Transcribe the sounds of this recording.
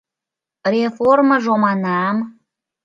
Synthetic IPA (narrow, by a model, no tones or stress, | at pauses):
reforməʒomɑnɑm